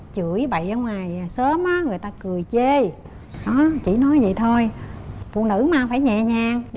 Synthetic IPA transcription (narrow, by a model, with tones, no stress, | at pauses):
t͡ɕɨ˧˩əjɓə̰˧˨jʔə˧ŋwaː˨˩jsəː˨˦mʔaː˨˦ŋɨ˨˩əjt̪aː˧kɨ˨˩əjt͡ɕe˧ | ɗɔ˨˦t͡ɕḭ˧˩nɔ˨˦jzḭ˧˨t̪ʰo˧jfṵ˧˨ənɨ̰˧˥maː˧faː˧˩jɲɛ̰˧˨ɲaː˧˨ŋ